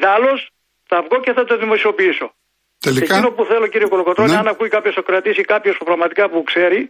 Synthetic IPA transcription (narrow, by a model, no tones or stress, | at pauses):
ðɐlo̞s | t̪ɐvɣo̞ceθɐt̪oðimo̞sio̞piiso̞ | t̪eliekino̞puθe̞lo̞ciɾio̞kolokot̪ɾoneɐnɐkuikɐpço̞sɐkɾɐt̪isikɐpçospupɾɐɣmɐt̪ikɐpukse̞ɾi